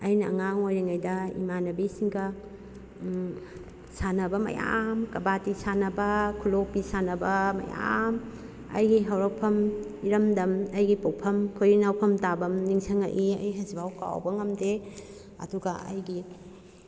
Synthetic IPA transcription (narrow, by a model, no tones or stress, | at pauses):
ɐjnɐ̰ːŋaŋojɾiŋajdɐḭmanɐbisiŋɡɐ | sanɐbɐmɐ̰ja̰mkɐbatisanɐbɐkʰulopisanɐbɐmɐ̰ja̰m | ɐ̰jɡiɦɐwɾɐw̚pʰɐmiɾɐmdɐmɐjɡipowpʰɐmkʰojinawpʰɐmtabɐmniŋsʰɐŋa̰ʔiɐ̰jɦɐzibawka̰wbɐŋɐmde | ɐ̰duɡɐɐ̰jɡi